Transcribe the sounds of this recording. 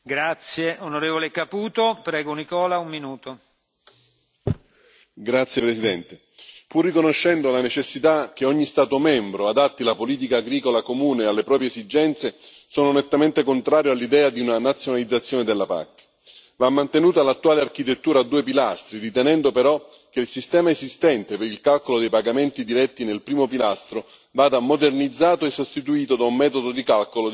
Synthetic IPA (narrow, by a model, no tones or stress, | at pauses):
ɡɾat̪sjeonoɾeːvolekapuːt̪opɾɛːɡonikɔːlaumːinuːt̪o | ɡɾat̪sjepɾesid̪ɛnt̪e | purːikonoʃːɛnd̪olanet͡ʃesːit̪ak̟ːeɔɲːist̪aːt̪omɛmbɾoad̪at̪ːilapoliːt̪̬ikaːɡɾiːkolakomuːnealːepɾɔːpɾjeeszid͡ʒɛnt̪se | soːnonet̪ːament̪ekont̪ɾaːɾjoalːid̪ɛːad̪iunanat̪sːjonalid̪zːat̪sːjoːned̪elːapa̰kː | vamːant̪enuːt̪alat̪ːuaːleark̟it̪et̪ːuːɾaːd̪ːuːepilast̪ɾirit̪ɛnɛnd̪opeɾɔ | k̟eilsist̪ɛːmaezist̪ɛnt̪epeɾilkalkolod̪ejpaɡament̪id̪iɾɛt̪ːinelpɾiːmopilast̪ɾo | vaːd̪amod̪ernid̪zːaːt̪oesːost̪it̪uiːt̪od̪aummɛːt̪od̪od̪ikalkolo